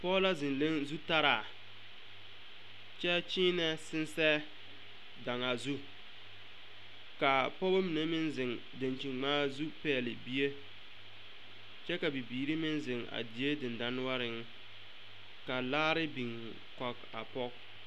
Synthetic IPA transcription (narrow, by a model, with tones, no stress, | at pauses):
pɔ˦la˦zɪ˨nle˦ŋzu˦ta˦ɾaː˨ | t͡ʃɛ˦t͡ʃiː˦nɛ˦sɪ˦nsɛ˦ | da˨ŋa˨zu˦ | ka˨pɔ˦ba˦mi˨ne˦mɪ˦nzɪ˨ŋ | de˨nt͡ʃi˨ŋŋ͡maː˦zu˦pɛː˦˨lɪ˨bi˦e˦ | t͡ʃɛ˦ka˨bi˨biː˨ɾi˦mɪ˦nzɪ˨ŋa̰˨dɪ˨e˦dɪ˨nda˦nʊ˦wa˦ɾɪ˨ŋ˦ | ka˨laː˦ɾɪ˦bi˨ŋ | kɔ˨k | a̰˨pɔ˦k